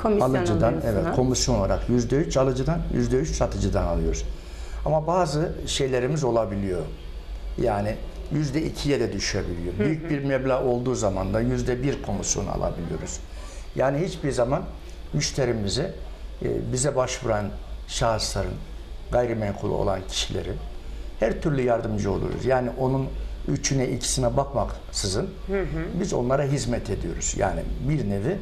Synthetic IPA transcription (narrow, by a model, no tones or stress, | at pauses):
alˠɯd͡ʒɯd̪anɛvɛt̪kʰo̞misjonoaɾaqjyzd̪ɛyt͡ʃʰalˠɯd͡ʒɯd̪anjy̰zd̪ɛyt͡ʃsat̪ʰɯd͡ʒɯd̪analˠɯjo̞ɾɾ | amabaːzɯʃe̞jlʲeɾimizo̞lˠabilʲijo̞ | jaːni | jyzd̪ɛicʰijɛd̪ɛd̪yʃyebilʲijo̞byjyc̚biɾmɛblʲao̞lˠd̪uːzamand̪ajyzd̪ɛbiɾkʰo̞misjo̞̰na̰lˠa̰bilʲḭjo̞̰ɾuz̥ | jaːnihit͡ʃbiɾzaman | myʃt̪ʰe̞ɾimizi | bizɛbaʃvuɾanʃaːslˠaɾɯn | ɡajɾimɛŋkʰulˠṵo̞̰lˠancʰi̥ʃilʲḛɾinhæɾt̪ʰyɾlʲyjaɾd̪ɯmd͡ʒɯo̞lˠṵɾṵzjaːniʔo̞nunyt͡ʃʰynɛʔicʰi̥sinɛbakmak | sɯzɯn | bizo̞̰nlˠaɾaɦizmɛt̪ʰe̞d̪ijo̞ɾuz̥ja̰ːnḭbiɾnevi